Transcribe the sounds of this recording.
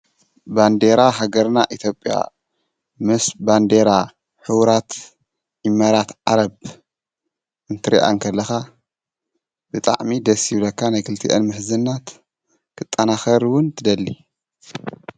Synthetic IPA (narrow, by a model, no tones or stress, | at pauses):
band̪eɾaɦaɡɐɾnaʔit̪ʰjo̞pʼja̰ | mɨsband̪eɾa | ħɨwɾat̪ | imːaɾat̪ʕaɾɐb | ʔɨnt̪ʰɨɾḭʔa̰ŋkʰɐlːɐxa | bɨt̪ʼa̰ʕmid̪ɐsilɐkʰːanajkʰɨlt̪ʰiʔɐ̰nmɨħzɨnːat̪ | kʰɨt̪ʼːɐnaxɐɾwʊnt̪ʰɨd̪ɐlːi